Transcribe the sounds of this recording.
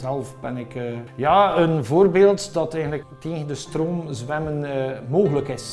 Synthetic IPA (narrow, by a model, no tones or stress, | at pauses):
zɛlˠfbɛnɪkːjaːənvoːrbeːlˠtdɑtɛjɣəntləkteːɣəndəstroːmzwɛmənmoːɣələkɪs